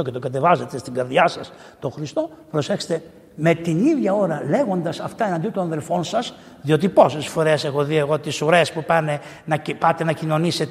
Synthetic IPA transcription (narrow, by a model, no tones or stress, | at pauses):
ocet̪oɡɐt̪e̞vɐzet̪est̪iŋɡɐɾðʝɐsɐs | t̪o̞xɾist̪o̞pɾo̞sexse̥t̪e | me̞t̪iniðʝɐo̞ɾɐle̞ɣo̞nd̪ɐsɐft̪ɐenɐnd̪iot̪onɐnðe̞lfo̞nsɐs | ðio̞t̪̬ipo̞sesfo̞ɾesexo̞ðie̞ɣo̞t̪isuɾe̞spupɐne̞ | nɐpɐt̪e̞nɐcino̞nise̞t̪